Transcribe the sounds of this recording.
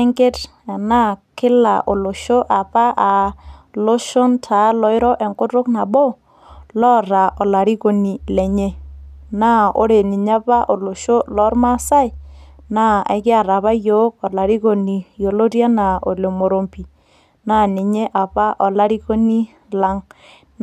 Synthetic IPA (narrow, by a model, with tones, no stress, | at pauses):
e˦ŋke˦t | a˨na˦kɪ˦la̰˨ʔo˨lo˨ʃo˦ʔa˨pa˦ʔa˨lo˦ʃo˦ntʰa˨˦lɔ˨˦ɪ˦ɾɔ˦ʔɛ˨ŋkʊ˦ɾʊ˦kna˨bo˦ | lɔ˦ɾa˨ʔɔ˨la˨ɾi˦ko˨ni˨lɛ˨ɲe˦na˦o̰˦ɾe˨ni˨ɲa˦pa˦ʔo˨lo˨ʃo˦lɔ˨˦ɾma˦sa˦ɪ˨ | na˦a̰˨˦kɪ˦a˨ɾa˨βa˦jo˦kɔ˨la˨ɾi˦ko˨ni˨jo˨lo˦ɾja˦na˨o˨le˨mo˨ɾo˨mpi˨ | na˦ni˨ɲe˦ʔa˨pa˦ʔɔ˨la˦ɾi˦ko˦ni˦ | la˦ŋ